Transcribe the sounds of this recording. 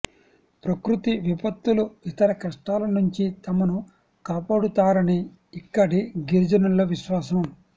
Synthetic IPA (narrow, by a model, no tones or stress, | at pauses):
pɾɐkɾut̪iʋipɐt̪ːuluit̪ɐɾɐkɾɐʂʈaːlɐnuɲt͡ʃit̪ɐmɐnu | kaːpaːɽut̪aːɾɐni | ikːɐɽiɡiɾd͡ʒɐnɐlːɐʋiʃʋaːsɐm